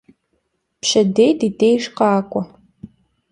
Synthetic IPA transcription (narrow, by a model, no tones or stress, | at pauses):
pɕɐdejdideːjʂqɑːkʷʼɔ